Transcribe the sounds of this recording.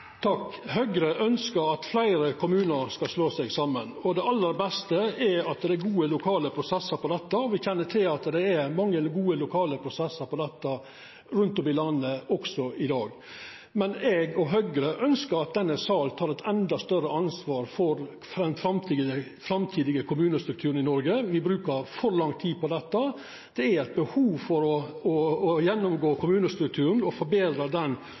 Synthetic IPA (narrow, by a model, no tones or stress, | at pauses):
t̪ʰɑkːhœɡɾəʔœnskəɾɑt̪flæɪɾəkʰʊmʉːnəɾskɑsloːsɛɡsɑmːənɔd̪ɛɑlːəɾbɛst̪əɛɑt̪d̪ɛæɾɡuːəlʊkʰɑːləpʰɾʊsɛsːəɾpɔd̪ɛt̪ːəɔʋɪçɛnːəʈʰɪlɑt̪d̪ɛæɾmɑŋːəɡuːəlʊkʰɑːləpʰɾʊsɛsːəɾpɔd̪ɛt̪ːɑ | ɾʉnt̪ɔmɪlɑnːəɔksɔʔɪd̪ɑːɡ | mɛnɛɡɔɦœɡɾəʔœnskəɾɑt̪̚d̪ɛnːəsɑːlt̪ʰɑːɾɛt̪ʰɛnd̪ɑst̪œɾəɑnsʋɑːɾfɔɾ | fɾɛnfɾɑmt̪ʰiə | fɾɑmt̪ʰiːd̪ɪɡəkʰʊmʉːnəst̪ɾʉkt̪ʰʉːɾən̩ɪnɔɾɡəʋɪbɾʉːkəɾfɔɾlɑŋt̪ʰiːd̪pɔd̪ɛt̪ːə | d̪̥ɛæɾɛɪt̪̚bəhuːʋfɔɾɔɔːjɛnːʊmɡoːkʰʊmʉːnəst̪ɾʉk̚t̪ʰʉːɾn̩ɔfɔɾbeːd̪ɾɑd̪ɛn